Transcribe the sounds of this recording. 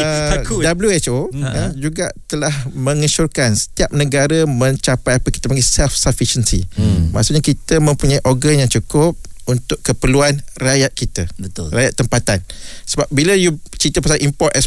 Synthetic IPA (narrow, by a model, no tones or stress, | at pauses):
ədabljuɛt͡ʃod͡ʒuɡa̰ʔt̪əlahmə̃ŋəʃurkansə̥t̪iap̚nəɡaɾəmə̃ɲt͡ʃapajapəki̥t̪aəmaɡisɛlfsafiʃənsḭmaʔsuʔɲakit̪əmə̃mpuɲaiʔɔrɡanjaŋt͡ʃukʊp̚unt̪ʊʔkəpəluanrajaʔ̪̚kit̪abət̪rajaʔt̪ːəmpat̪ansəbap̚biləjut͡ʃit̪əpasaʔimpɔt̪ɛs